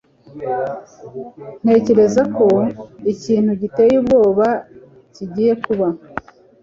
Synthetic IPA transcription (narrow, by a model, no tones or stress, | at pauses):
n̥e̞ːce̞ɾe̞zako̞iciːn̥huɟite̞jubɡo̞ːβa | ciɟiːje̞kuβa